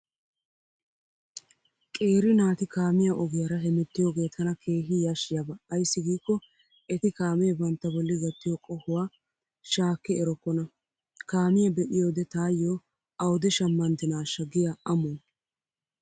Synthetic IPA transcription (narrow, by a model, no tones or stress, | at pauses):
kʼe̞ːɾɪnaːt̪ɪkaːmɪjɐʔɔɡɪjɐɾɐɦɛmɛt̪ːɪjoːɡe̞ːt̪ʰɐnɐkʰe̞ːɦɪjaʃɪjɐbɐːjsːɪɡiːkːɔ | ɛt̪ɪkaːmɛbɐnt̪ːɐbɔlːɪɡɐt̪ːɪjɔkʼɔhʊwaː | ʃaːkːɪɛɾɔkːɔnɐ | kaːmɪjɐbɛʔɪjoːd̪ɛt̪aːjːoː | ɐwd̪ɛʃɐmːɐnd̪ɪnaːʃɐɡɪjɐɐmɔn